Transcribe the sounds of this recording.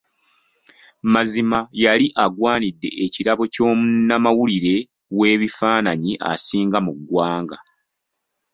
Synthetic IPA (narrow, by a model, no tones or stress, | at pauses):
mazimajaliʔaɡwaːnidːe̞̰ʔeciɾaβo̞co̞ːmunːamawuliɾe̞ | we̞ːβifaːnaɲiʔa̰siːŋɡamuɡwaːŋɡa